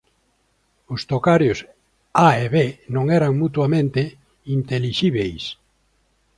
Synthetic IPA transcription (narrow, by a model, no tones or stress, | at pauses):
ʊst̪okaɾjʊs | aeβenõŋɛɾaŋmut̪wamẽnt̪e | int̪eliʃiβejs